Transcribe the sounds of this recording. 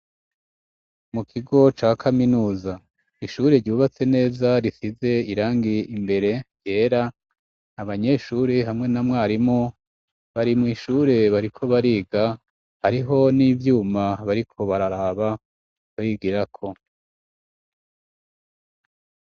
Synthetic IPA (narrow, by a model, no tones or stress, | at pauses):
mukʰiɡo̞t͡ʃaːkʰaminuːza | iʃuːɾeɾɟuːβat͡se̞ne̞ːzaɾisize̞iɾaːŋɡiimbe̞ɾe̞ | je̞ːɾa | aβaɲe̞ʃuːɾeɦamŋe̞namŋaːɾimŋo | βaɾimŋiːʃuːɾe̞βaɾikʰo̞βaɾiːɡa | haɾiɦo̞niːvjuːmaβaɾikʰo̞βaɾaɾaːβa | βajiɡiɾakʰo̞